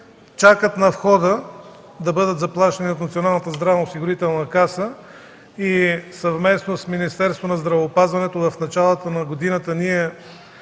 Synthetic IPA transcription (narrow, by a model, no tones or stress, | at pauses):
t͡ʃakət̪nɐfxɔd̪ə | d̪ɐbɤd̪ət̪zɐplˠaʃəniot̪nɐt̪sionalˠnət̪əzd̪ɾavnɐosiɡʊɾit̪ɛlˠnɐkasə | isɐvmɛsnosminist̪ɛɾst̪vonɐzd̪ɾɐvɛopazvɐnɛt̪ovɐfnɐt͡ʃalˠət̪ənɐɡod̪inət̪əniɛ